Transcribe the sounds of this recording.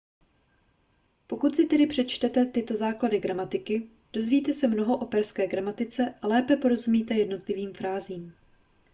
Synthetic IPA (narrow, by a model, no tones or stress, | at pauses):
po̞kut̪sɪt̪ɛdɪpr̝̥ɛt͡ʃt̪ɛt̪ɛt̪ɪt̪o̞zaːkladɪɡɾamat̪ɪkɪ | d̥o̞zviːt̪ɛsɛmno̞ɦo̞ʔo̞pɛɾskɛːɡɾamat̪ɪt͡sɛʔalɛːpɛpo̞ɾo̞zumiːt̪ɛjɛdno̞t̪lɪviːmfɾaːziːm